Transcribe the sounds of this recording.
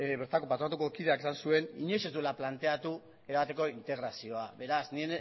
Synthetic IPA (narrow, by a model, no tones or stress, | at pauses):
βe̞ɾt̪ako̞pat̪ɾat̪ukokiðe̞ake̞sansue̞niɲese̞zd̪ulaplant̪e̞at̪u | e̞ɾaβat̪e̞ko̞int̪e̞ɣ̞ɾasio̞aβe̞ɾasnien